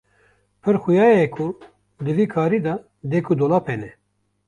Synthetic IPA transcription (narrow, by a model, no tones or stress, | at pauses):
pʰɨɾxʊjɑːjɛkʰu | d̪ɨviːkʰaːɾiːd̪ɑ | d̪ekʰud̪oːlaːpʰɛnɛ